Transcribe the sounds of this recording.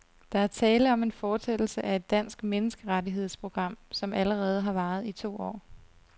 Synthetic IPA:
d̥ɑ̈æɐt͡sʰɛːləɒ̽me̝nfɒːsed̥l̩səʔæe̝d̥̚ːæn̰sɡ̥menəsɡ̥əʁadiɦe̝ð̰ˠspʰʁo̝ɡ̥ʁɑ̈m̰sɒ̽mæləʁɛːð̞̩ˠɦɑ̈ʋɑ̈ːð̞̩ˠit͡sʰo̝̰ːɒ̰ː

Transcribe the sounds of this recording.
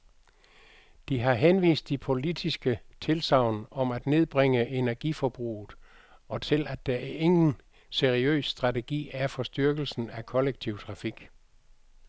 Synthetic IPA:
d̥iɦɑ̈ɦenʋḭːsd̥ipʰo̝lid̥isɡ̥ət͡sʰe̝lsɑ̈ʊ̰nɒ̽mæd̥ne̝ð̞ˠb̥ʁeŋəʔe̝næɐɡ̥ifɒb̥ʁṵːð̩ˠ | ɒ̽t͡sʰe̝læd̥ææɐe̝ŋn̩ | seʁiø̰ːsːd̥ʁɑ̈t͡sʰe̝ɡ̥ḭːæɐfɒ̽sd̥yɐɡ̥l̩sn̩ækʰɒ̽leɡ̥̚t͡sʰiʊt͡sʰʁɑ̈fiɡ̥

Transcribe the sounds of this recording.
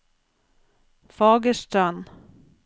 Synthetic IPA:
fɑːɡəʂʈœn

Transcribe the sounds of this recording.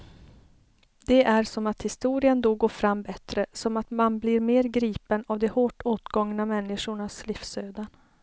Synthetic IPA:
d̪̥ɛʔæɾsɔmat̪hɪst̪uːɾɪənd̪ɔɡoːfɾamːbɛt̪ɾəsɔmat̪manblɪɾmeːɾɡɾiːpənavd̪ɔhoːʈoːt̪ɡɔŋnamɛnːɪʂʊɳasliːfsøːd̪an

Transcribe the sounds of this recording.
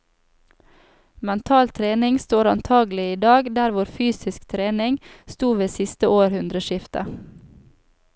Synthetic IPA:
mɛnt̪ʰɑːlt̪ʰɾeːnɪŋst̪oːɾɑnt̪ʰɑːɡl̩ɪiːd̪ɑːɡd̪æɾʋʊɾfyːsɪskt̪ʰɾeːnɪŋst̪uːʋeːsɪst̪əʔoːɾhʉnd̪ɾəʃɪft̪ə̰

